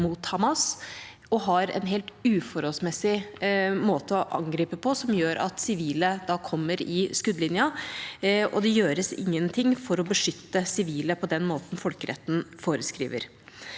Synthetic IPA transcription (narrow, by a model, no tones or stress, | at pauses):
muːt̪hɑmɑs | ɔɦɑɾɛ̰nɦɛlt̪ʉːfɔɾɔlsmɛsːɪmoːt̪əɔʔɑ̰ŋɡɾiːpəpʰɔsɔmjøːɾʔɑ̰t̪sɪʋiːləd̪ɑkʰɔmːəɾɪskʉd̪lɪnjɑ | ɔ̰d̪ɛjøːɾəsɪ̰ŋːənt̪ʰɪŋːfɔɾɔbəʂʏt̪ːəsɪʋiːləpʰɔd̪ɛnmoːt̪n̩fɔlkəɾɛ̰t̪ːn̩foːɾəskɾḭːʋə̰ɾ